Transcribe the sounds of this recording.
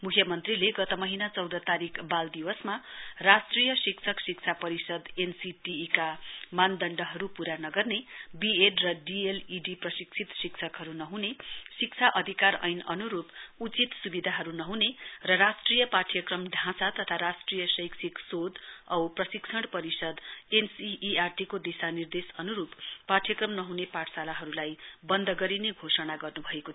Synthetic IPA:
mukʰjʌmʌnt̪rileɡʌt̪ʌmʌɦinat͡sʌwd̪ʌt̪aɾikʰbald̪iwʌsmarasʈrijʌsikt͡sʰʌksik̚t͡sʰapʌɾisʌd̪ensiʈiːkamand̪ʌɳɖʌɦʌɾupuɾanʌɡʌrnebieɖrʌɖieliɖiprʌsikt͡sʰit̪sikt͡sʰʌkɦʌɾunʌɦunesik̚t͡sʰaʔʌd̪ʱikarʌ̰jnʌ̰nuɾuput͡sit̪subid̪ʱaɦʌɾunʌɦũnerʌɾasʈrijʌpaʈʰijʌkrʌmɖʱãsat̪ʌt̪ʰaɾasʈrijʌsʌjksʰiksod̪ʌwprʌsikt͡sʰʌɽpʌɾisʌd̪ensiːarʈikod̪isanird̪esʌnuɾupːaʈʰjʌkrʌmnʌɦunepaʈʰsalaɦʌɾulajbʌnd̪ʱʌɡʌɾineɡʱosʌnaɡʌrnubʱʌeko

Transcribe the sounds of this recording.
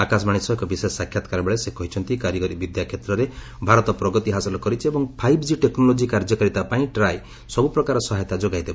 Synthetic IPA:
akasmaɽ̃isɔɦkɔbisesːakʰjat̪ɔkaɾɔbeɭesekɔɦit͡ʃʰɔnt̪ikaɾjɔɡɔɾibid̪jakʰjet̪ɾɔɾe | bʱaɾɔt̪ɔpɾɔɡɔt̪iɦasɔlɔkɔɾit͡ʃʰiebɔŋpʰajbʰʱd͡ʒiʈeknɔlod͡ʒikaɾd͡ʒɔkaɾit̪apaĩʈɾaj | sɔbupɾɔkaɾɔsɔɦajɔt̪ad͡ʒoɡajd̪eba

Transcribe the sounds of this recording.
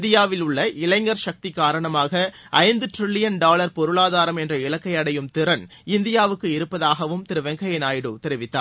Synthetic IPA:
d̪ɪjaːʋɪlʊɭːɐʔɪlɐɪŋɡɐɾʃɐk̚t̪ikːaːɾɐɳɐmaːɣɐ | ʔɐɪnd̪ɯʈ̪ɾɪɭːɪjɐnɖaːlɐɾpɔɾɯɭaːðaːɾɐmɛndrɐɪɭɐkːɐɪjɐɽɐjɯmt̪ɪɾɐn | ɪnd̪ɪjaːʋɯkːɯɪɾɯpːɐðaːɣɐʋɯmt̪ɪɾɯʋɐŋɡɐjɐnaːjɪɽɯt̪ɛɾɪʋɪt̪ːaːɾ

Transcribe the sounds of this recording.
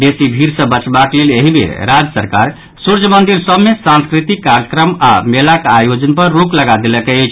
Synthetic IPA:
d̪esibʱiɾsə̃bət͡ʃbakleleɦibḛɾad͡ʒəsəɾkaɾ | suɾd͡ʒəmənd̪iɾsəbmːesãnskɾit̪ikːaɾjəkɾəma̰melakajod͡ʒənpəɾːukləɡad̪eləkeet͡ʃʰ

